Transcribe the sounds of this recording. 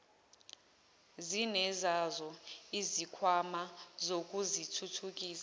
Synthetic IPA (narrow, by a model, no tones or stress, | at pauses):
zinɛzazɔizikʰwamazok̬ʼuzitʰutʰuk̬iːsa